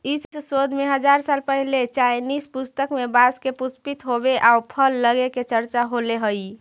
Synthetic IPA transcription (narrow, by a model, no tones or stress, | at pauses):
issod̪ʱmeɦəd͡ʒaɾsalpəɦilet͡ʃajnispust̪əkmebaskepuspit̪ɦobeʔaupʰəlːəɡeket͡ʃəɾt͡ʃaɦoleɦoj